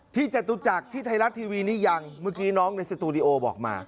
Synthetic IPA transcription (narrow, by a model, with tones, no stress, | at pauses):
t̪ʰiː˥˩t͡ɕa˨˩t̪u˨˧˦t͡ɕa˨˩k̚t̪ʰiː˥˩t̪ʰa˧jla˦˥t̪ʰiː˧wiː˧niː˦˥˩ja˧ŋmɯ˦˥˩kiː˨˦˥nɔː˦˥ŋna˧jsa˧t̪uː˧ɾi˧ʔoː˧bɔ̰ː˨˩k̚ma̰ː˧